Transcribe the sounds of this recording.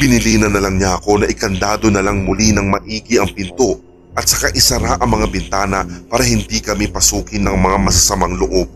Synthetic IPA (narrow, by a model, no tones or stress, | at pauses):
b̥ɪnɪliːnɐnɐlɐŋɲaʔɐko̞nɐʔɪkɐnd̪aːd̪o̞nɐlaŋmʊlinɐŋmɐʔiːɡɪɐŋpɪnt̪o̞ | ʔɐt̪̚sɐkaʔɪsɐɾaʔɐŋmɐŋabɪnt̪aːnɐpaːɾɐhɪnd̪ikɐmipɐsuːkɪnɐŋmɐŋamɐs̬ɐsɐmaŋlʊʔo̞b̚